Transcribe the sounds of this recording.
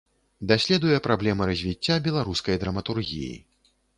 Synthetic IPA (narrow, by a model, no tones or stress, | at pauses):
d̪asʲlʲɛd̪ujɛpɾablʲɛmɐɾɐzʲvʲit͡sʲːabʲɛlˠaɾuskɐjd̪ɾɐmɐt̪urɣʲḭjḭ